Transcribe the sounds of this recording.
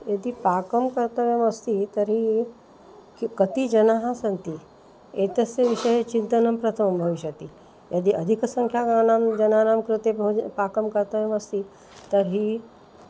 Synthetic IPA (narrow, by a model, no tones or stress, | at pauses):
jɐd̪ipaːkəmkɐɾt̪əʋemɐst̪it̪ɐɾɦi | kikɐt̪id͡ʒɐnaɦasɐnt̪i | eːt̪ɐsjɐʋiʃəjet͡ʃint̪ɐnɐmpɾɐt̪ʰɐmbʱɐʋiʃjɐt̪i | jɐd̪iʔɐd̪ʱiksɐ̃ŋkʰjaɡanamd͡ʒɐnanamkɾɪt̪ebɐpakəmkɐɾt̪əʋemɐst̪i | t̪ɐɾɦi